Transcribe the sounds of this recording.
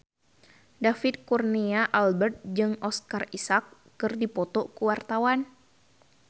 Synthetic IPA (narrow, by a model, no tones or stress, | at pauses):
dafit̪̚kurniaʔalbɛrt̪̚d͡ʒɨŋɔskarisakː | ɨrdipɔt̪ɔkuwart̪awan